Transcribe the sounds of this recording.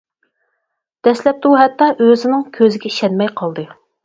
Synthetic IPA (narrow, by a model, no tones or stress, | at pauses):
d̪̥ɛslɛp̚d̪uɦɛt̪ːɑʔøzɪnɪŋkʲʰøzɪɡʲɛiʃɛnmɛjqʰɑlˠd̪ɨ